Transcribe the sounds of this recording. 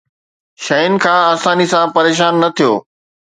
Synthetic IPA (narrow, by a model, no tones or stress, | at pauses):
ʃɐjʊnɪ̆kʰãːaːsaːnisãpɐɾeːʃaːnːɐt̪ʰijoː